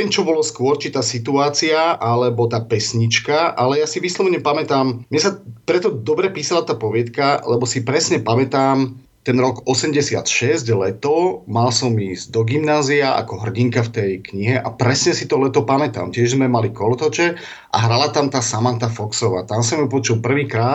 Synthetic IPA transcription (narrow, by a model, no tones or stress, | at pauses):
ɲɛɛmt͡ʃɔbɔlɔskʊɔɾt͡ʃit̪aːsit̪uaːt͡siaʔalɛbɔt̪aːpɛsɲit͡ʃkaʔalɛjasiʋislɔʋɲɛpamɛt̪aːmmɲɛsapɾɛt̪ɔd̪ɔbɾɛpiːsalat̪aːpɔʋɪɛt̪kalɛbɔsipɾɛsɲɛpamɛt̪aːm | t̪ɛnɾɔɡɔsɛmɟɛsɪa̰t̪ʃɛzɟlɛt̪ɔmalsɔmiːzd̪ɔɡimnaːziaʔa̰kɔɦr̩ɟiŋkaft̪ɛjkɲiɦɛʔa̰pɾɛsɲɛsit̪ɔlɛt̪ɔpamɛt̪a̰ːmcɪɛʒzmɛmalikɔlt̪ɔt͡ʃɛ | ʔa̰ɦɾalat̪amt̪aːsamant̪afɔksɔʋa̰ːt̪amsamjupɔt͡ʃulpr̩ʋiːkɾaː